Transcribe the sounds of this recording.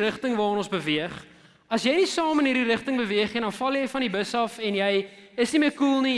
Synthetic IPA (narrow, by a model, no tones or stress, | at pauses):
rəχtəŋvɑːɾənõnsbəviəχ | ɐsjɛjnisɑːmənɦiːɾiɾəχtəŋbəviəχidɐnfɐlˠjəjfɐnibəsɐfɛnjɛjəsniməjkulˠni